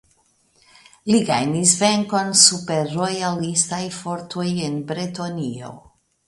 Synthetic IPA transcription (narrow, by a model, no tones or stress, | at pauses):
liɡajnisve̞ŋko̞nsupeːojalistajfo̞ɾtojenbɾetonio̞̰